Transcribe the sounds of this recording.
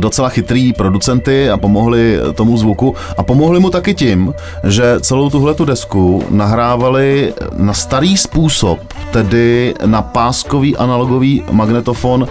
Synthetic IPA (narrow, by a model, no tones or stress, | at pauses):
do̞t͡sɛlaxɪt̪ɾiːpɾo̞dut͡sɛnt̪ɪapo̞mo̞ɦlɪt̪o̞muzvuku | ʔapo̞mo̞ɦlɪmut̪akɪcɪm | ʒɛt͡sɛlo̞wt̪uɦlɛt̪udɛskunaɦɾaːvalɪnast̪aɾiːspuːsop̚ | t̪ɛdɪnapaːskoviːʔanalo̞ɡo̞viːmaɡnɛt̪o̞fon